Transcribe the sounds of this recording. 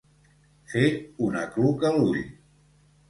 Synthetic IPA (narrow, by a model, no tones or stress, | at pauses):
feunaklukaluʎ